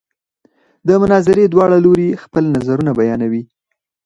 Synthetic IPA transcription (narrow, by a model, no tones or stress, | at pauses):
d̪əmʊnɑzɪɾed̪wɑɽaloɾixpəlnazaɾunabajɑnawi